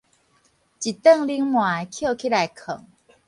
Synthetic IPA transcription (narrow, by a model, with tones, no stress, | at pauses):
t͡ɕi˨˩t̪ə˥˧ŋli˧˦ŋmwã˨˩˨kʰjo˥˧˨kʰi˦la˨˦jkʰə˨˩˦ŋ